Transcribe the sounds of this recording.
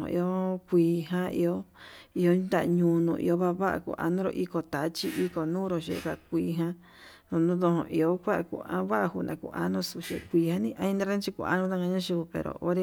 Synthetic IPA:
õ̰˧ʔḭ˧o˦kʷiː˧˨ɦã˦ḭ˧o˦i˧o˧˦d̪a˦ʔɲũ˧nũ˧˨ʔḭ˧o˦βa˦˧βa˦ʔa̰˧˨kṵ˧˨ʔa̰˧nõ˦ɾo̰˧ʔi˦ko˨t̪a˨˦t͡ʃi˦ʔi˦ko˨nũː˦ɾo˧ʃḛ˧˦ka˧ʔkʷiː˧ɦã˦ | o˧nũ˦ðõ˧ɦõ̰˧˨ʔi˧o˦kʷa˦ʔa˧˨kṵ˧ã̰˧βa˦ʔa˧hu˧˨nã˨kṵ˧˨ʔa˦nõ˦su˧˨ʃḛ˧˨kʷiː˧ha˦nĩ˦ʔa˧ĩ˧˦nã˦˧ɾẽ˦t͡ʃi˧kṵ˧˨a̰˧˦nũ˧˦t̪a˦˧ŋɡa˧ɲã˦ʃi˧u˧pḛ˨ɾo̰˨ʔo˦ɾe˦

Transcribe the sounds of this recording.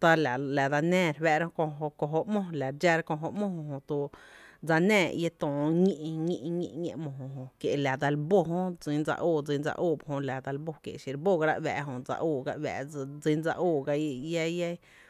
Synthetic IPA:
t̪a˧la˨la˨d̪a˧nẽː˦˨˧ɾwɛ˧ʔɾa˦õ˧kõ˧ɦo˧ko˧ɦo˧ʔmõ˦˧la˨ɾd͡ʒa˧˦ɾa˦kõ˧ɦo˧ʔmõ˦hõ˧ɦõ˧t̪u˧d͡za˧nɛ̃ː˧˨je˦t̪õː˨ɲĩ˦˧ʔɲĩ˧ʔɲḭ̃˧ɲḛ̃˧ʔmõ˨ɦõ˧˨ɦõ˧kje˨ʔla˨d̪a˧lbo˦˧ɦõ˦d͡zi˧˦nd͡za̰˧ʔuː˦˧˨d͡zi˧˦nd͡za̰˧ʔuː˦˨bhõ˧la˨d̪a˧lbo˧kjḛ˨ʔʃi˧ɾbo˦˨ɡa˧ɾa̰˧ʔwɛ̰ː˨ʔɦõ˧˨d͡za̰˧ʔuː˧˨ɡa̰˧ʔwɛ̰˨˧d͡zi˧nd͡za̰˧ʔuː˦˧˨ɡa˧˦˧ja˦ja˦

